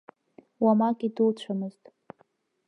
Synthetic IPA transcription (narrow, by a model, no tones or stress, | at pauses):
wamakʲʼidɨlt͡ɕʷʰamɨztʼ